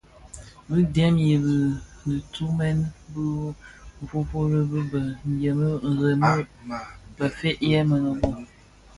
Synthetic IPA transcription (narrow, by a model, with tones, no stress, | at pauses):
bɨ˦dɛ˦mji˨bɨ˨nɨ˨tu˦mɛ˦n˦bɨ˦˨ | fo˦fo˦ɾə˦bɨ˦bə˨n˨jə˨mə˦˨ɣə˨mə˦ | bə˨fe˦ʔjɛ˦mə˨nə˨bo˦